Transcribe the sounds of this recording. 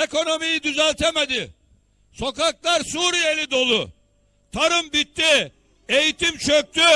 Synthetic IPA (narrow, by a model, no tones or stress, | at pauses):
eko̞no̞mijid̪yzælʲt̪ʰemed̪ɪ | so̞kaklˠaɾsuːɾije̞lʲid̪o̞lˠʊ | t̪ʰaɾɯmbit̪ːi | e̞jit̪imt͡ʃʰøk̚t̪y